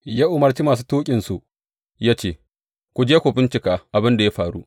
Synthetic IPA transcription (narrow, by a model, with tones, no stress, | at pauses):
jaː˦ʔʊ˨mɐ˨rt͡ʃi˦maː˨s̬uː˦toː˦kʲʼɪ˨nsu˨ʔ | jaː˦t͡ʃeː˦˨ | kʷʊ˨d͡ʒeː˦kʷoː˨ɸɪ˦nt͡ʃɪ˨kaː˦ʔa˨bɪ˦nda˨ja˦ɸaː˨ɽu˦ʔ